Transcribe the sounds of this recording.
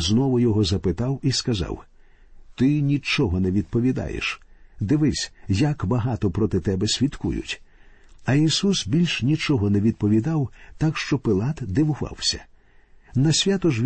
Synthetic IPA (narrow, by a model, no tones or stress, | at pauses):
znɔʋʊjɔɦɔzɐpɪt̪ɑwiskɐzɑ̰w | t̪ɪnʲit͡ʃɔɦɔnɛʋʲid̪̚pɔʋʲid̪ɑ̰jḛʃd̪ɪʋɪsʲjɐkbɐɦɑt̪ɔpɾɔt̪ɪt̪ɛbɛsʲʋʲit̪kṵjʊ̰tʲ | ɐisusbʲilʲʃnʲit͡ʃɔɦɔnɛʋʲid̪̚pɔʋʲid̪ɑwt̪akʃt͡ʃɔpɪlˠɑt̪d̪ɪwʊʋɑ̰wsʲɐ̥ | nɐsʲʋʲat̪ɔʒʋʲ